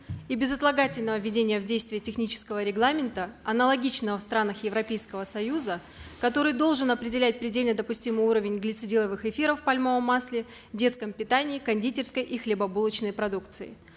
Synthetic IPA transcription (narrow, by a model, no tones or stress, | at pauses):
ibʲɪzɐt̪lˠɐɡatʲɪlʲnəvəvʲɪdʲenʲɪjəvdʲejst̪vʲɪjətʲɪxnʲit͡ɕɪ̥skəvəɾʲɪɡlˠamʲɪnt̪əɐnəlˠɐɡʲit͡ɕnəvəfst̪ɾanəxjɪvɾɐpʲejskəvəsɐjuzə | kɐt̪o̞ɾɨjd̪o̞lˠʐɨnɐpɾʲɪdʲɪlʲæt̚ʲpɾʲɪdʲelʲnəd̪əpʊsʲtʲimɨjuɾəvʲɪnʲɡlʲɪt̪sɨdʲilˠəvɨxɪfʲiɾəfpalʲmovəmːaslʲɪ | dʲe̞t̪skəmpʲɪt̪anʲɪːkɐnʲdʲitʲɪrskəjʔixlʲɪbɐbulˠət͡ɕnəjpɾɐd̪ukt̪sɨɪ̰